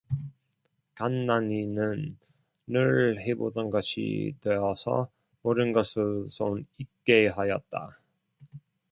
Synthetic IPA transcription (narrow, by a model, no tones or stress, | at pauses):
kanːaninɯnː | ɯɭhebodʌnɡʌɕʰḭtweʌsʰʌ̰ | mʌɾɯnɡʌsʰɯsʰonik̚k͈e̞ɦajʌt̚t͈a̰